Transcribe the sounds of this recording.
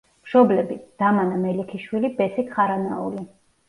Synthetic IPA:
mʃɔblɛbid̪̥amanamɛlikʰiʃwilibɛsikχaɾanaṵli

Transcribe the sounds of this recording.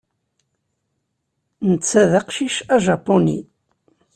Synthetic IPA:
nət͡sːæðaqʃiʃæʒɑpːonḭ

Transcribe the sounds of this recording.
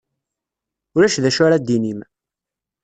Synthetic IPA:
ʊɾæʃðæʃʊɾad̪ːinim

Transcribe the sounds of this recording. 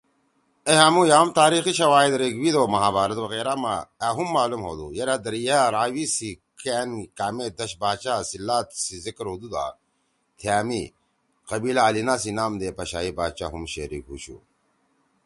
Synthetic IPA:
eɦamujaːmt̪aːɾiːxiɕɐwaːid̪ɾeɡwid̪oːmɐɦaːbaːɾɐt̪wɐɣeːɾama̰aːɦumːaːlumɦo̰ːd̪ṵjɐɾad̪ɐɾjaːɾaːwisikeːnkaːmed̪ɐɕbaːt͡ɕaːsilːaːt̪sizikɾud̪ud̪a̰ː | t̪ʰjaːmi | qɐbiːlaːlinaːsinaːmd̪eːpɐɕaːibaːt͡ɕa̰ːɦumɕḛɾḭkɦṵːɕṵ

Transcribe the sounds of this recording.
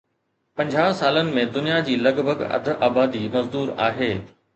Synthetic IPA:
pɐ̃ɲd͡ʑʱaːsaːlənɪ̆mẽd̪ʊnijad͡ʑiːlɐɡbʱəɡɐ̰d̪ʱʔaːbaːd̪imɐzd̪uːɾa̰ːɦeː

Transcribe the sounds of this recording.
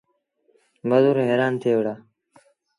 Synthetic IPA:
bəd̪uːɾɦeːɾaːnt̪ʰeːʋɽaː

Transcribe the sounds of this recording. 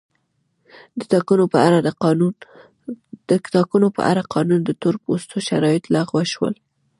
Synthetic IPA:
d̪ət̪ɑkunopəaɾa | d̪əkɪ̥t̪ɑkunopə̰ʔa̰ɾaqʰɑnund̪ət̪oɾpost̪oʃaɾɑjɪt̪laɣwaʃwə̰l

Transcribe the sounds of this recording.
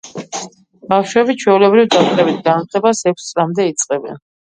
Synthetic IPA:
b̥afʃwɛbit͡ʃʰwɛulɛbɾivd̪at̪ʼɛbit̪ʰɡanat̪ʰlɛbasɛkʷʰst̪sʼlamd̪ɛit̪sʼqʼɛbɛ̰n

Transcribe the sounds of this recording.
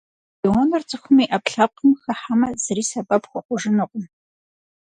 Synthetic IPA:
jiwɔnɨrt͡sʼɨxʷʊmiʔɐpɬɐp̚qəmxɐħamɐz̥ɨriːsɐbʼɐpxʷɔqʷʊʒɨnɨqʷʼʊm

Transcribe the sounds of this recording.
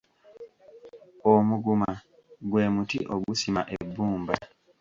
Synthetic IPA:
omuɡuma | ɡweːmutḭʔoɡusimaʔebːuːmba

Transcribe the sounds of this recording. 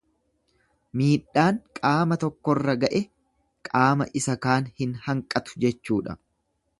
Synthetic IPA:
miːᶑːaːŋkʼaːmɐt̪ɔkːɔrːɐɡɐʔɛ | kʼaːmɐʔɪsɐkaːnhɪnhɐŋkʼːɐt̪ʊ̥d͡ʒɛt͡ʃːuːᶑɐ̰

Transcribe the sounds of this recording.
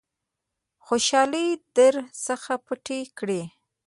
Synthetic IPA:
xoʃɑləjd̪əɾsəxapəʈekɽe

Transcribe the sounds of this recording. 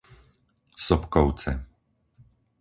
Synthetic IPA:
sɔpkɔwt͡sɛ̰

